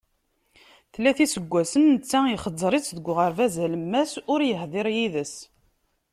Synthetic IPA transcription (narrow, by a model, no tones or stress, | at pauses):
θlːæθisəɡʷːæsənːət͡sːæiχəzˤːɾˤit͡sðəɡʷʁəɾvæzæləmːæsʊɾjəhðˤeɾjiðəs